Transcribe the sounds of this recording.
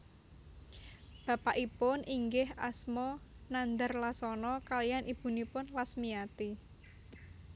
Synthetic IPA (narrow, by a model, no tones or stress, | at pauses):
b̥a̤paʔipʊnʔiŋɡɪhʔasmɔnand̪ərlasɔnɔkalijanʔib̥ṳnipʊnlasmijat̪i